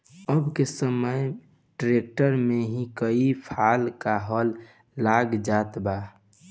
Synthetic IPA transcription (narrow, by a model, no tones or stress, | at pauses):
əbkesəməj | ʈɾek̚ʈəɾmeɦĩkəipʰaːlkaɦɔlː | aːɡd͡ʒaːt̪ba